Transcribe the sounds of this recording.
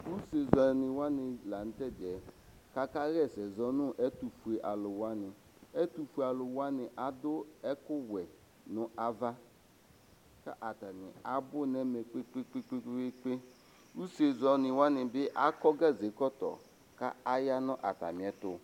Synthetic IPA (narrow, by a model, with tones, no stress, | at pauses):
u˦se˨zɔ˨nɪ˨wa˦nɪ˨la˨n̩˦tɛ˦˨dɛ˨ | ka˦ka˦ɣɛ˦˨sɛ˨zɔ˦nʊ̃˦ʔɛ˦tu˨fu˨e˨ʔa˨lʊ˨wa˦nɪ˨ | ɛ˦tu˨fu˨e˨a˨lʊ˨wa˦nɪ˨ʔa˨dʊ˦ɛ˦kʊ˦wɛ˨ | nʊ˨a˨va˦ | ka̰˦ʔa˨ta˨nɪ̰˨a˨bʊ˦nɛ˦mɛ˨k͡pe˦k͡pe˦k͡pe˦k͡pe˦e˦k͡pe˦ | u˦se˨zɔ˨nɪ˨wa˦nɪ˨bɪ˦ʔa˦kɔ˦ɡa˦˨ze˨˦kɔ˦tɔ̰˨ | ka̰˦a˦ja˦nʊ̃˦ʔa̰˨ta̰˨mɪ̃˨ɛ˨tʊ˨